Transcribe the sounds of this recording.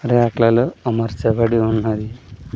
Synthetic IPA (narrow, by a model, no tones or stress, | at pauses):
ɾaːklɐluɐmɐɾt͡ʃɐbɐɽiunːɐd̪i